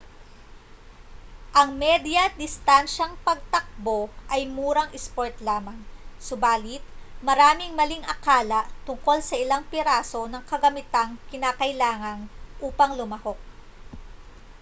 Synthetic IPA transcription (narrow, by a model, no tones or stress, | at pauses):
ʔɐŋmɛd̪jɐd̪ɪst̪anʃɐŋpɐɡ̚t̪ɐk̚bo̞ʔɐjmuːɾɐŋʔɪspoɹt̪laːmɐŋsʊbaːlɪt̪̚mɐɾaːmɪŋmɐliŋʔɐkaːlɐt̪ʊŋko̞lsɐʔɪlaŋpɪɾaːso̞nɐŋkɐɡɐmɪt̪aŋkɪnaːkɐjlaːŋɐnʔuːpɐŋlʊmɐho̞k̚